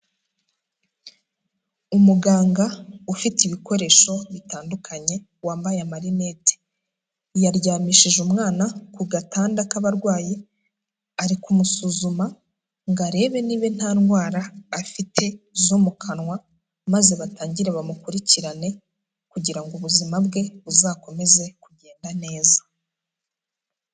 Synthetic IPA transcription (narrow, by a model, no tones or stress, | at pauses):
umuɡaːŋɡaufitiβiko̞ɾe̞ːʃo̞βitaːndukʰaɲe̞ | waːmbajamaɾine̞te̥ | jaɾɟaːmiːʃiʒumŋaːnakuɡataːndakaβaɾɡwaːji | aɾikumusuːzuma | ŋɡaɾe̞ːβe̞niːβe̞n̥haːnɡwaːɾaːfitʰe̞zomukʰanwa | maze̞βataːɲɟiɾeβamukuɾiciɾane̞ | kuɟiɾaŋɡoβuzimabɡe̞βuzaːko̞me̞ze̞kuɟe̞ːndane̞ːzḁ